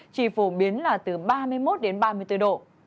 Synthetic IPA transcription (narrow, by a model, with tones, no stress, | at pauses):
t͡ɕḭ˧˩fu˧˩ɓi˨˦ənlaː˨˩t̪ɨ˨˩ɓaː˧mɨ˧əjmo˦˥t̚ɗe˨˦nɓaː˧mɨ˧əjt̪ɨ˧ɗo̰˧˨